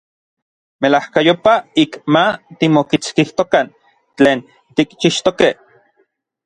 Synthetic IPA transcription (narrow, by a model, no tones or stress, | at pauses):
melahkajopaikmat̪imokit͡skiht̪okan | t͡ɬeːn | t̪ikt͡ʃiʃt̪okeh